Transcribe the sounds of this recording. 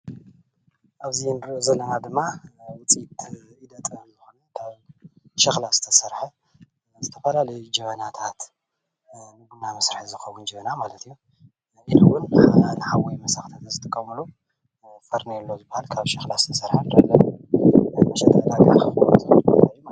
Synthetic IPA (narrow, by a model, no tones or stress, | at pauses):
ʔaβzinzɐlɐnad̪ɨmːawʊt͡sʼit̪id̪ɐt̪ʼnzɨxonutʰaβʃɐxlazɨt̪ʰɐsɐɾħɐ | zɨt̪ʰɐfɐlalɐjd͡ʒɐβɐnat̪ʰat̪ | nɨɡunamɐsɾɨħizɨxɐwːund͡ʒɛβɐnamalɐt̪ʰɨjːu | ʔinɨwʊnbħananħawojmɐsaxt̪ʰat̪zɨt̪ʰʼɨkʼːɐmulu | fɐɾnelːo̞zɨbahalkʰaβʃɐxlazɨt̪ʰɐsɐɾħand̪ɐlːɐn | mɐʃɐt̪ʰːɐlaɡakʰɨxut̪ʰɨbɐ̰jm